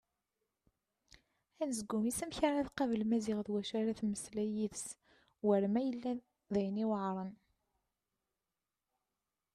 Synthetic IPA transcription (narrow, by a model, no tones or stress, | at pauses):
ænzəɡumisæmçɾnæðqɑvəlmæzɪʁðwæʃæɾæθməslæjiðs | wəɾmæjəlːæ | ðæjəniwəʕɾˤən